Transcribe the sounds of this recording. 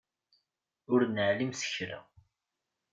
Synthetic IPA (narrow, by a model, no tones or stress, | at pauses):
ʊɾnəʕlimsə̥çɾæ̰